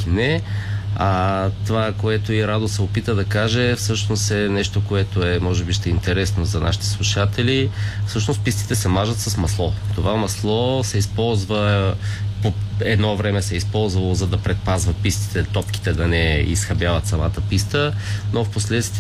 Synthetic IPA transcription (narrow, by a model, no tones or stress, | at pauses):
inɛ | at̪ovakoɛt̪oiɾad̪osɛopit̪əd̪ɐkaʒɛfsɤʃnost̪ɛnɛʃt̪okoɛt̪oɛmɔʒɛbiʃt̪ɛint̪ɛɾɛsnozɐnʔa̰ʃi̥t̪ɛ̥slˠuʃat̪ɛlifsɤʃnost̪pist̪i̥t̪ɛsɛmaʒɐt̪sɐsmɐslˠɔt̪ovamɐslˠɔsɛispɔlˠzvə | poɛd̪nɔvɾɛmɛsɛispɔlˠzvɐlˠozɐd̪ɐpɾɛt̪̚pazvɐpist̪i̥t̪ɛt̪ɔpki̥t̪ɛd̪ɐnɛḭsxɐbjavət̪sɐmat̪əpist̪ənofposlɛt̪t̪v